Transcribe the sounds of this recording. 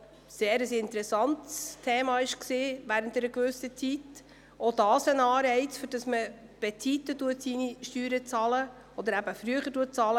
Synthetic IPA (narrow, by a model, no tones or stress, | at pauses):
seːɾəsɪntɾɛsɑnt̪stʰeːmɑɪʃksiːvæːɾənt̪ɛɾəkvʏsət͡sit | ɔd̪ɑːsənɑːɾɛɪt͡sføɾd̥ɑsməb̥ɛt͡sit̪ːətuətsiniʃtyːɾət͡sɑːlə | ɔd̪əɾæb̥əfɾyəχətuət̚t͡sɑːlə